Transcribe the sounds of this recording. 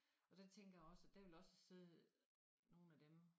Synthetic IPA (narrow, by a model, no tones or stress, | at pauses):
ɒ̽d̥et͡sʰeŋ̰ɡ̥ɐjäɒ̽sæd̥æʋelɒ̽səse̝ð̰ˠ | no̝ːn̩æd̥em